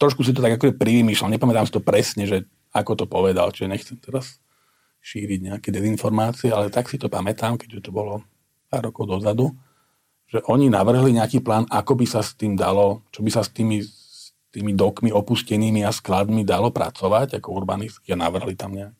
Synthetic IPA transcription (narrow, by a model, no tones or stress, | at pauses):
t̪ɾɔʃkus̬it̪ɔt̪aɡakɔʒɛpɾiʋimiːʃlɛlɲɛpamɛt̪aːmsit̪ɔpɾɛsɲɛʒɛ | akɔt̪ɔpɔʋɛd̪a̰lt͡ʃiʒɛɲɛxt͡sɛmt̪ɛɾas | ʃiːɾiɟɲɛakɛd̪ɛzinfɔɾmaːt͡siɛalɛt̪aksit̪ɔpamɛt̪aːmkɛɟʒɛt̪ɔbɔlɔ | paːɾːɔkɔʊd̪ɔzad̪u | ʒ̥ɛʔɔɲinaʋr̩ɦliɲɛakiːplaːnakɔbisast̪iːmd̪alɔt͡ʃɔbisast̪iːmi | ss | t̪iːmid̪ɔkmiɔpuscɛniːmiasklad̪mid̪alɔpɾa̰t͡sɔʋaɟakɔuɾbaniskiana̰ʋr̩ɦlit̪amɲɛaki